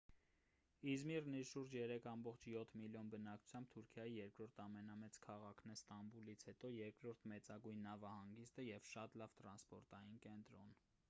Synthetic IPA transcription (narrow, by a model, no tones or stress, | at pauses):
izmirniɾʃuɾd͡ʒjɛɾɛkʰɑmbɔχt͡ʃʰjɔt̪ʰmiljɔnbənɑkʰu̥t͡sʰjɑmb̚t̪ʰuɾkʰjɑjijɛɾkɾɔɾt̪ʰɑmɛnɑmɛt͡skʰɑʁɑkʰnɛɾst̪ɑmbulit͡sʰhɛt̪ɔjɛɾkɾɔɾt̪ʰmɛt͡sɑɡujnːɑvɑhɑŋɡist̪əjɛvʃɑt̪lɑvt̪ɾɑnspɔɾt̪ɑjinkɛnt̪ɾɔn